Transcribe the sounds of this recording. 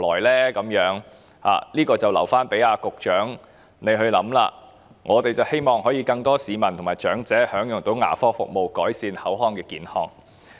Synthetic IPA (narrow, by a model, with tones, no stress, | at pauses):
lɔː˨˩jlɛː˥kɐ˨˧˥mjœː˨˥ŋ | ha̰ː˨˩liː˥kɔː˧t͡sɐ˨˩wlɐ̰˨˩wfaː˥npe˨˥jaː˧kʊ˨k̚t͡ʃœː˨˥ŋ | ne˨˧jɦɵ˧ɥlɐ̰˨˥mla̰ː˧ | ŋʔɔː˨˧t̪e˨jt͡sɐ˨whe˥jmɔː˨˩ŋɦɔː˨˥jiː˨˧kɐ˧ŋt̪ɔː˥siː˨˧mɐ˨˩nt̪ʰʊ˨˩ŋmaː˨˩jt͡ʃœː˨˥ŋt͡sɛː˨˥hœː˨˥ŋjʊ˨ŋt̪o˨˥wŋa̰ː˨˩fɔː˥fʊ̰˨k̚mo˨wkɔː˨˥jsiː˧nhɐ˨˥wɦɔː˧ŋkɛː˧kiː˨˥nhɔ̰ː˧ŋ